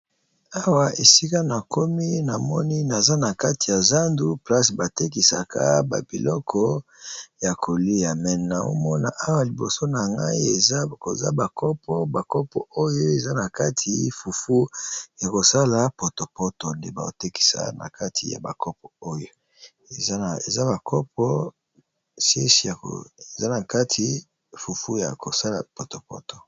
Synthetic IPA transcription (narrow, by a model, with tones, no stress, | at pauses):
a˦wa˨e˨si˦ka˦na˨ko˦mi˦na˨mɔ˦ni˦na˨za˦na˨ka˦ti˨ja˨za˦ndu˦pla˦sba˨te˦ki˨sa̰˨kʰa̰˦ba̰˨bi˨lɔ˦kʰɔ˦ja˨kʰo˨li˦ja˨mɛ˨n˨na˨o̰˦mɔ˦na̰˨ʔa˦wa˨li˨bo˨so˦na˨ŋɡa̰˦i˦e˨za˦ko̰˨za̰˦ba˨kɔ˦pʰɔ˦ba˨kɔ˦pɔ˨ʔo˦jo˦e˨za˦na˨ka˦tʰi˨˦fu˨fu˦ja˨ko˨sa˦la˨po˨to˨pɔ˦to˨nde˨ba˨o̰˨te˦ki̥˨˦sa̰˨na̰˨ka˦tʰḭ˨ja̰˨ba˨kɔ˦pɔ˨o˦jo˨ | e˨za˦˨e˨za˦ba˨kʰɔ˦p̚ɔ˦ | sjḛ˦si˨a˨ko̰˨e˨za˦na˨ka˦tʰi˨˦ | fu˨fu˦ja̰˨ko˨sa˦la̰˨po˨to˨pɔ̰˦to̥˨